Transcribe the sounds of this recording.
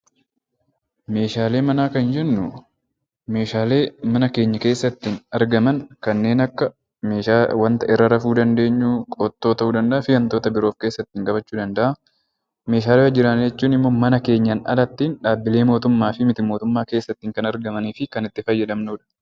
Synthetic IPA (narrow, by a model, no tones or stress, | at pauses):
me̞ːʃaːle̞ːmɐnaːkɐnd͡ʒɛnːʊ | me̞ːʃaːleːmɐnɐke̞ːɲːɐke̞ːsːɐt̪ːinɐɾɡɐmɐnkɐnːe̞ːnɐkːɐ | meːʃawɐnt̪ɐʔɪrːɐɾɐfuːd̪ɐnd̪e̞ːɲːuːkʼoːt̪ːo̞ːt̪ɐuːd̪ɐnd̪ɐʔɐfɪjɐnt̪o̞ːt̪ɐbɪɾoːfke̞ːsːɐt̪ːɪŋkʼɐbɐt͡ʃːuːd̪ɐnd̪ɐʔɐ | me̞ːʃaːleɐd͡ʒɪɾɐnd͡ʒɛt͡ʃːuːnɪmːɔmɐnɐke̞ːɲːɐnɐ̰lɐt̪ːiːnᶑaːbːɪle̞ːmoːt̪ʊmːaːfɪmɪt̪ɪmo̞ːt̪ʊmːaːkeːsːɐt̪ːiːŋkɐnɐɾɡɐmɐniːfɪkɐnɪt̪ːɪfɐjːɛᶑɐmnuːᶑɐ̥